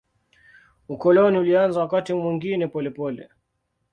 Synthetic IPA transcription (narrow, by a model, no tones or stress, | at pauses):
ukɔlɔniulianzawakatimwiŋɡinɛpɔlɛpɔlɛ̰